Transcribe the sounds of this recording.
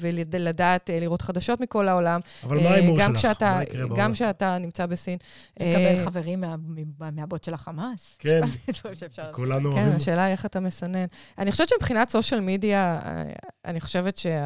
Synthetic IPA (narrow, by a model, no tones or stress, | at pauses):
veldladaːtliʁo̞tχadaʃo̞tmiko̞laolamavalmaimuʁɡaamkʃeataʁeɡamkʃeatanimt͡sabe̞sinʔlekabelχaveʁimːameabotʃelaχamaskenamtoiʃeefʃakulanukenaʃe̞ːlaieχatame̞sane̞nanixoʃeett͡ʃemipχinatso̞ʃalmidia̰ | a̰niχo̞̥ʃe̞vetʃe